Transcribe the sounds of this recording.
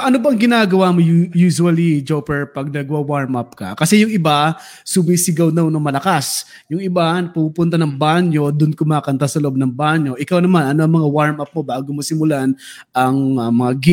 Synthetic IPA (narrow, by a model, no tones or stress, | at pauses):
ʔɐnobɐɐŋɡɪnaːɡɐwamojjuːʃʊɐlid͡ʒopɛɹpɐɡ̚nɐɡɐwawaɹmapkɐ̰kɐsɛjʊŋɪba | subɪjsɪɡawnɐwnɐmɐlɐkas | jʊŋɪbanɐpupʊnt̪anɐŋbaɲo̞d̪ʊnkʊmaːkɐnt̪asɐloʔob̚nɐŋbaɲjo̞ʔɪkawnɐmanɐnoʔɐŋmɐŋawaɹmap̚mo̞baːɡomosɪmʊlan | ɐŋɐmɐŋaɡɪ